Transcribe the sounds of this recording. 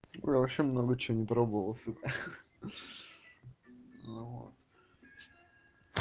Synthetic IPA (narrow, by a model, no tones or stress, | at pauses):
ʊ̰jʲavɐɕemnoɡət͡ɕɪonʲɪpɾobəvəlˠəsupʲɪr | vo̰t̪̚